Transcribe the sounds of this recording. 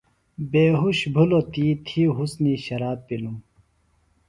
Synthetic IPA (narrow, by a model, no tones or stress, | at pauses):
beːɦuɕbʱulot̪iːt̪ʰiɦusniɕɐɾaːb̚pilum